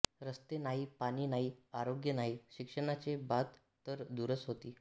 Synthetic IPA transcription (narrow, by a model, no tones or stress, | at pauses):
ɾəst̪enaɦiːpaɽiːnaɦiːaɾoɡjənaɦiːɕikʂəɽ̃at͡sebat̪ː | əɾd̪uɾəsɦot̪iː